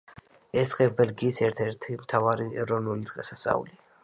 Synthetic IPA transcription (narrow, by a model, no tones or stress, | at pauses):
ɛsd̪qʼɛbɛlɡiːsɛɾt̪ʰɛɾt̪ʰimt̪ʰavaɾiɛɾɔnulit̪zʼqʼɛsastsʼa̰ṵli